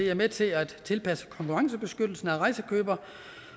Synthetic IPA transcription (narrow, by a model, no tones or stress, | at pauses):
eæmet͡sʰe̝æd̥t͡sʰe̝lpʰæsə̥kʰɒ̽ŋkʰuʁɑ̈ŋsəb̥e̝sɡ̥ød̥l̩sn̩æʁɑ̈ɪsəkʰø̰ːb̥ɐ